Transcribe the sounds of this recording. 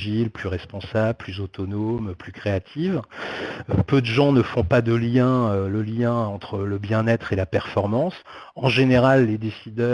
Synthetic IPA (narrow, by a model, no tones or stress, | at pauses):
ʒilplyʁɛspɔ̃sabplyzot̪ɔnomplykχeat̪ʰiv | pød̪əʒɑ̃nəfɔ̃pad̪əljɛ̃øləljɛ̃ɑ̃t̪χələbjɛ̃nɛt̪χelapɛʁfɔʁmɑ̃s | ɑ̃ʒeneʁalːed̪esid̪œ